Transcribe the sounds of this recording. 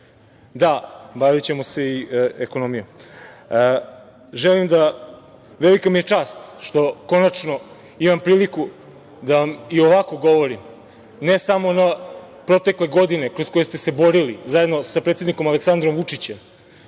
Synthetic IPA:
d̪abaʋit͡ɕe̞mose̞ieko̞nomijom | ʒelimd̪a | ʋelikamije̞t͡ʂaːst̪ʃt̪o̞ko̞nat͡ʂno̞ | imampɾiːliku | d̪aʋamio̞ʋako̞ɡo̞ʋo̞ɾim | nesamo̞na | pɾo̞t̪e̞kle̞ɡo̞d̪ine̞kɾosko̞jest̪ese̞bo̞ɾilizajed̪no̞sapɾet̪ʲed̪niko̞male̞ksand̪ɾomʋut͡ʂit͡ɕem

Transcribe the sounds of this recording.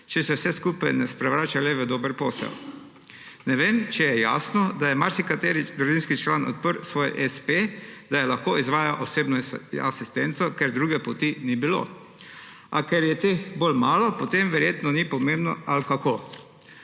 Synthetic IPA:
t͡ʃɛsɛwsɛskupajnɛspɾɛʋɾaːt͡ʃalɛʋəd̪oːbəɾpoːsɛ̰w | nɛʋeːmt͡ʃɛjɛjaːsnɔd̪ajɛmaɾsikat̪eːɾid̪ɾuʒinskit͡ʃlaːnɔ̰t̪̚pəɾsʋoːjɛʔɛsped̪ajɛlaxkoːizʋaːjaʔosebnɔasist̪ɛnt̪sɔkɛɾd̪ɾuːɡɛpot̪inibilo̰ | akɛɾjɛt̪exbolmaːlɔpot̪emʋɛɾjet̪nɔnipɔmẽmbnɔ̰alkako

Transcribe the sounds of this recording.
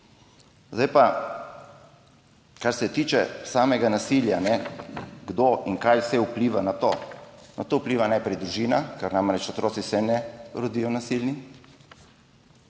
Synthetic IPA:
zd̪ajpa | kaɾsɛt̪iːt͡ʃɛsaːmɛɡanasiljanɛɡd̪oʔiŋkajwsɛupliʋanat̪onat̪oupliʋanajpɾɛjd̪ɾuʒiːnakaɾnamɾɛt͡ʃɔt̪ɾoːt̪sisɛnɛɾod̪ijɔnasilni

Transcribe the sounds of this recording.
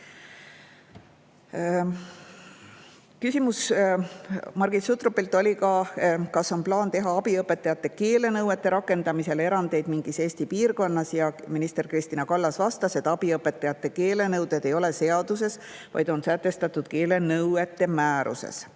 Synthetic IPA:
kysʲimus | mɑrɡ̥isut̪ropːˑilt̪ːˑo̞lʲikɑkɑsːonplɑːnt̪e̞ɦɑɑb̥iɤpːˑe̞t̪ːˑɑjɑt̪ːˑe̞ke̞ːle̞nɤwe̞t̪ˑːe̞ɾɑkːˑe̞nd̪ɑmise̞le̞ɾɑnd̪̥e̞jd̪̥miŋɡ̥ise̞ːsʲt̪ipiːrko̞nːɑsjɑminist̪e̞rkrist̪inɑkɑlːɑsvɑst̪ɑse̞t̪ːˑɑb̥iɤpːˑe̞t̪ːˑɑjɑt̪ːˑe̞ke̞ːle̞nɤwd̪̥e̞d̪e̞jo̞le̞se̞ɑd̪̥use̞s | vɑ̰jd̪̥o̞nsæt̪ːˑe̞st̪ɑt̪ːˑud̪̥ke̞ːle̞nɤwe̞t̪ːe̞mæːɾṵse̞̰s

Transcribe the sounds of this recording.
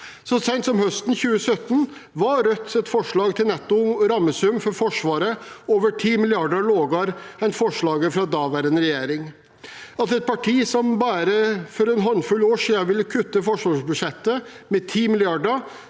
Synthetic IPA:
sɔsæɪnt̪sɔmhœst̪n̩çʉːəsœt̪ːn | ʋɑɾœt̪ːɛt̪fɔʂɭɑːɡt̪ʰɪlnɛt̪ːʊɾɑmːəsʉmfɔɾfɔʂʋɑːɾəoːʋəʈʰiːmɪlɪɑɖəɭoːɡɑɾɛɪnt̪fɔʂɭɑːɡəfɾɑd̪ɑːʋæɾənɾɛjeːɾɪŋ | ɑt̪ɛt̪̚pʰɑʈʰiːsɔmbɑːɾəfɔɾɛnɦɔnfʉlːoːʂiːɑʋɪlːəkʰʉt̪ːəfɔʂʋɑːʂbʉʂɛt̪ːəmɛt̪ʰiːmɪlɪɑɖə

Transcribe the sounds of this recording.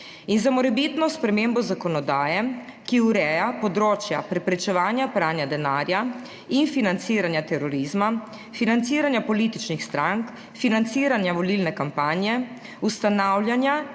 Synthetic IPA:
inzamɔɾɛbit̪nɔspɾɛmeːmbɔzakɔnɔd̪aːjɛ | kiuɾɛːjapɔd̪ɾoːt͡ʃjapɾɛpɾɛt͡ʃɛʋaːnjapɾaːnjad̪ɛnaːɾja | infinant̪siːɾanjat̪ɛɾɔɾizma | finant̪siːɾanjapɔlit̪it͡ʃnixst̪ɾaŋk | finant̪siːɾanjaʋɔlilnɛkampanjɛ | ust̪anawlʲjanja

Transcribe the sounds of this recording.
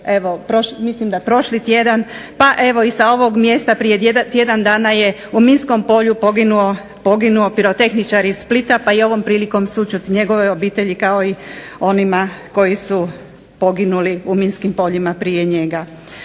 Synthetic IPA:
e̞ʋopɾoʃmislimd̪aepɾo̞ʃlit̪je̞d̪anpaʔe̞ʋo̞isao̞ʋoɡmje̞ːst̪apɾiet̪je̞d̪and̪aːnaje | uminsko̞mpo̞ʎupoɡinuo | po̞ɡinuo̞piɾo̞t̪e̞xnit͡ʃaɾiissplit̪apaio̞ʋo̞mpɾiːliko̞msut͡ʃut̪ɲe̞ɡo̞ʋeo̞biːt̪e̞ʎikao̞io̞nimako̞jisu | po̞ɡinuliuminskimpo̞ʎimapɾije̞ɲe̞ɡa

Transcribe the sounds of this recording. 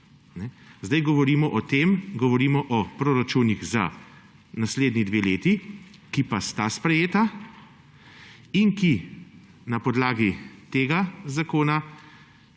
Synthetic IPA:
nɛzd̪ajɡɔʋɔɾiːmɔʔɔt̪eːmɡɔʋɔɾiːmɔʔɔpɾoːɾat͡ʃuːniɣza̰ | nasleːd̪nid̪ʋeleːt̪ikipast̪aspɾɛjeːt̪a | iŋki | napɔd̪laːɡit̪eːɡazakoːna

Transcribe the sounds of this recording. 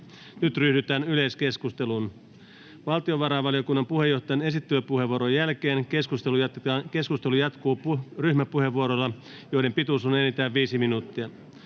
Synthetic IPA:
nyt̪ryhdyt̪æːnyle̞jske̞skust̪e̞lun | ʋɑlt̪io̞ʋɑɾɑːʋɑliokunːɑmpuhe̞jːo̞ht̪ˑɑjɑne̞sit̪ːyløpuhe̞ʋuoɾojːælke̞ːnkeskust̪elujt̪ɑke̞skust̪e̞lujɑt̪kuːryçmæpuhe̞ʋːuoɾolːɑ | jo̞jde̞mpit̪usunenit̪æːʋːiːsiminuːt̪ːiɑ

